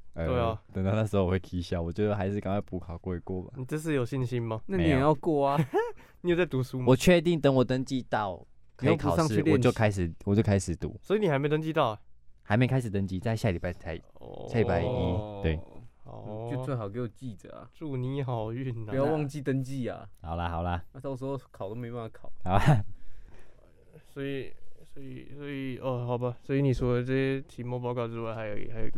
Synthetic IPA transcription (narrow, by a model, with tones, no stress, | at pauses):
ə˨we˥˩ɪa˨˩t̪ə˨˩ŋt̪ɑ˥˧ʊna˥˩ʂ̩˧ho˥˧wwe˥˩k̪ʰi˧˦ɕja˥˩wɔ˨˩t͡ɕjo˥˧ə˨˩xa˧˦ɪʂɻ̩˥˧ka˨ŋkʰa˥˩ɪpu˧˥kʰɑ˨˩ʊkwe˥˧˩kwɔ˥˨ma̰˨˩ni˨˩ʈ͡ʂə˥˧ʂ̬ɻ̩˥˩˨jo˨˩ʊɕi˥˧nɕi˦˥nma˨na˥˨n˧˦i˨e˨˩˦jɑ˥˧ʊkwɔ˥˩a˩ | ni˨jo˥˩t͡sa˥˩ɪt̪u˧˦su˦mwɔ˨˩t͡ɕʰɥɛ˥˧t̪̬i˥˩ŋt̪ə˦ŋwɔ˨˩t̪ə˦ŋt͡ɕi˥˧t̪ɑ˥˩ʊ | kʰːkʰa˧˨ɑ˥˧ŋ̩˥y˥jɔ˨˧t͡ɕjo˥˧ʊkʰa˦ɪʂ̬ɻ̩˨˩wɔ˨˩t͡ɕjo˥˧ʊkʰa˥ɪʂɻ̩˨˩t̪ṵ˨˦swɔ˧˥i˨˧ni˨xme˧˥˧t̪ə˥ŋt͡ɕi˧t̪ɑ˥˩ʊɛ˨˩ha˨˧ɪme˥ɪkʰa˥ɪʂ̬̩˨˩ə˧˦ŋt͡ɕi˦t͡sa˥˧ɪɕja˥˨li˨˩pa˥ɪt̪ʰa˧˦ɪ̰sja˥˩li˨˩pa˥˩ɪi˦˥t̪we˥˩ɪhɑ˨˩˦t͡ɕo˥˧ʊt͡swe˥˩ɪxɑ˨˩ke˧˥ɪwɔ˨˩t͡ɕi˥˩t͡sə̰˨˩ɐ̰˩ʈ͡ʂu˥˩ni˧˥xɑ˨˩ʊy˥˩npjɑ˥˧wɑ˥˧ŋt͡ɕi˥˧t̪ə˦ŋt͡ɕi˥ɐ̰˨hɑ˨˩ʊlɐ˦xɑ˨˩ʊlɐ˦na˧t̪ɑ˥˧ʊʂ̬̩˧˥xo˧ʊkʰʊt̪o˥ʊme˧˥ɪ˧pn˥˩˧kʰɑ˨˩˦ʊa˦ | swɔ˧˥i˨˩swɔ˧˥ḭ˨˩swɔ˧˥i˨˩ə˧xɑ˨˩ʊba˨˦swɔ˧˥i˨˧˨ni˨˩swɔ˧˥lə˨ʈ͡ʂɤ˥˧ɕɛ˥˧t̪ʰi˧˥mɔ˥˧˦pɑ˥˧kɑ˥˧ʊʈ͡ʂɻ̩˥wa˥˩ɪxa˧˥ɪjo̰˧˩xa˧˥ɪj